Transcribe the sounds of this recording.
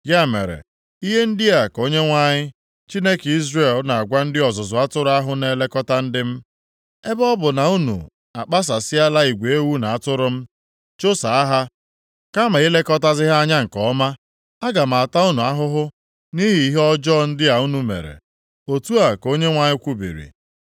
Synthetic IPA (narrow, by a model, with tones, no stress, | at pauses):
ɡa˦˨mḛ˨ɾḛ˨ | i˦ɦe˦n̩˦dɪ˦a˨ko˦ɲe˦ŋʷa˦ɲɪ˦ | t͡ʃi˦ne˦ke˨i˦zre˨lna˨a˨ɡʷa˦n̩˦dɪ˦ɔ˨zʊ˨zʊ˨a˦tʊ˦ɾʊ˦a˦ɦʊ˦ne˨le˦kɔ˦ta˦n̩˦dɪ˦m̩˦ | e˦bɔ˦bʊ˨na˨u˦nṵ˨ | a˨k͡pa˦s̬a˨sɪ˦a˦la˦i˨ɡʷe˨e˦wu˦na˨a˦˨tʊ˦ɾʊ˦m̩˦ | t͡ʃo˦sa˨a˦ɦa˦ | ka˦ma˨i˦le˦kɔ˦ta˦zɪ˦ɦa˦ɲa˦ŋ̩˨kɔ˨˦ma˦ | a˦ɡa˨m̩˨a˨ta˦u˦nu˨a˦ɦʊ˦ɦʊ˦ | ni˦ɦi˨i˦ɦɔ˦d͡ʒɔ˦˨n̩˦dɪ˦a˨u˦nu˨mḛ˨ɾḛ˨ | o˨tu˦a˨ko˦ɲe˦ŋʷa˦ɲɪ˦kʷu˦bḭ˨ɾḭ˨